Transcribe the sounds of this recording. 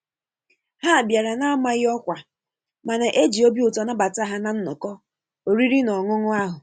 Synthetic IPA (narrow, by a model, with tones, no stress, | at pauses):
ha˦˨bja˨ɾa˨na˦a˦ma˦ɣɪ˦ɔ˦kʷa˨ | ma˨na˨ʔe˦d͡ʒi˨o˦bi˦ʊ˨tɔ˨na˦ba˨ta˦ɦa˦na˨n̩˦nɔ˨kɔ˦ | o˨ɾi˦ɾi˦nɔ˨ŋʊ˦ŋʊ˦a˦ɦʊ˨